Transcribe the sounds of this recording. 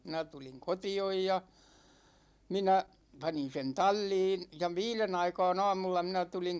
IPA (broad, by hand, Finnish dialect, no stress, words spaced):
minæ tuliŋ kotioj jɑ minæ pɑnin sen tɑlʲːiːn jɑ ʋiːlen ɑikɑ̝ːn ɑ̝ːmulːɑ minæ tuliŋ